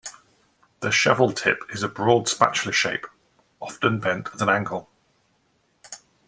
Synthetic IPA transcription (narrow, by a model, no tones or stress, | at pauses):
ðəʃa̰vəlˠtʰɪpʰɪzəbɹɔːd̥spa̰t͡ʃləʃeɪp | ɒftə̃nbɛ̃ntəðə̃nãŋɡəlˠ